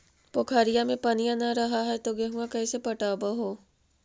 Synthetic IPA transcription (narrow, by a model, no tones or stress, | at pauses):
pokʰaːɾijamẽpɐnijãnɐɾɐɦaɦɛt̪oɡɐɦuãkɐːsepɐʈaːbaɦoː